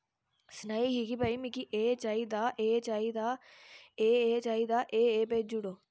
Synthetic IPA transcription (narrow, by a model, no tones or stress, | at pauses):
snaiɦikibɐimikiʔeːt͡ʃaid̪aːʔeːt͡ʃaːid̪aː | eːeːt͡ʃaːid̪aːʔeːeːpeːd͡ʒuɽoː